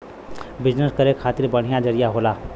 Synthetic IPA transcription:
bɪd͡ʒnəskəɾekʰaːt̪ɪɾbəɽ̤ijãd͡ʒɐɾijaɦoːlaː

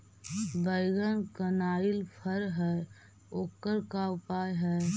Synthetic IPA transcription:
bəɪɡənkənaːɪlpʰəɾɦɛː | oːkːəɾkaʊpaːjɦɛː

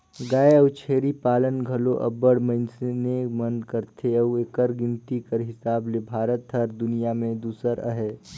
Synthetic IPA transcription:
ɡaːeɐut͡ʃʰeːɾipaːlənɡʱɐloʔɐ̰bəɽmɐ̃ɪnsenemənkəɾt̪ʰeɐekəɾɡɪ̃nt̪ikəɾɦɪsaːblebʱaːɾət̪ɦɐɾd̪ʊnijamẽd̪uːsəɾə̰ɦɛː

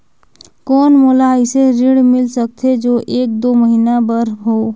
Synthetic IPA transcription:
kɔːnmoːlaɪseɾɪɽmɪlsək̚t̪ʰed͡ʒoːʔeːk̚d̪oːməɦiːnabəɾɦoː

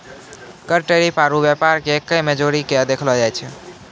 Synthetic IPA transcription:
kəɾʈeɾipaɾubjɛpaɾkekːəmed͡ʒoɾiked̪ekʰlɔd͡ʒajt͡ʃʰɛ

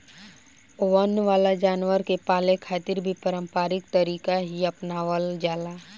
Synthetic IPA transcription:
oʋənʋaːlad͡ʒaːnʋəɾkepaːlekʰaːt̪ɪɾbʱipəɾə̃mpaːɾɪk̚t̪əɾiːkaɦiɐpnaʋəld͡ʒaːlaː

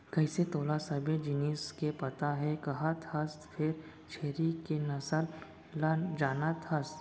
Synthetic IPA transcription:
kɐɪset̪oːlasɐbʱed͡ʒɪniːskepɐt̪aɦɛkɐɦat̪ʰɐst̪pʰɪɾ | t͡ʃʰeːɾikenɐsəl | d͡ʒaːnat̪ʰɐst̪

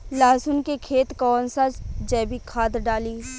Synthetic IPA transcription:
laːsʊnkekʰeːt̪kɔːnsɐd͡ʒd͡ʒɛːbikʰaːd̪ɖaːliː

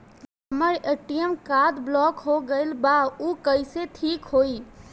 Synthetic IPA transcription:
ɦ | əməɾeʈijəmkad̪blɔːkɦoɡəɪlbaukəɪseʈʰiːkɦoi

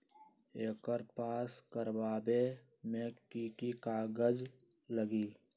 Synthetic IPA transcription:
eːkəɾpaːskəɾbaːbeː | mẽːkiːkikaːɡəd͡ʒ | ləɡiː

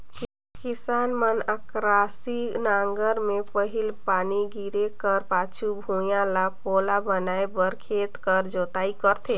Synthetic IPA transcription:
kisaːnmənəkɾasinaŋɡəɾmepəɦilpaːniɡiɾekəɾpaːt͡ʃʰubʱũjãlapolabənaebəɾkʰeːt̪kəɾd͡ʒoːt̪aːikəɾt̪ʰe

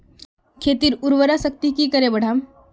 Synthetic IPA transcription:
kʰet̪iːɾuɾʋəɾasək̚t̪ikiːkəɾebəɽ̤am

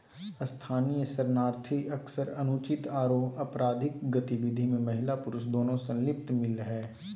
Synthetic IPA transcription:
st̪ʰaːnijəsəɾnaːɾt̪ʰiɐksəɾɐnʊt͡ʃɪt̪aːɾoːɐpɾaːd̪ʱɪkɡət̪ɪʋɪd̪ʱimẽmɐɦɪlapʊɾʊʃd̪oːnõsə̃nlɪp̚t̪mɪlɦɛː

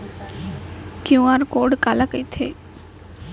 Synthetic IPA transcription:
kjũaɾkoːɖkalakəit̪ʰḛ

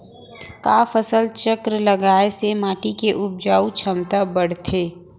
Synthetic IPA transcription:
kaːfəsəlt͡ʃəkɾəlɐɡaːesemaːʈikeʔʊb̚d͡ʒaːut͡ʃʰɐmt̪abɐɽ̤t̪ʰeː

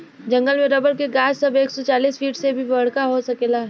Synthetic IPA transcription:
d͡ʒɐ̃ŋɡəlmẽɾɐbəɾkeɡaːssɐbeːksɔt͡ʃaːliːsfʰiːʈsebʱibɐɽ̤kaɦosɐkeːlaː

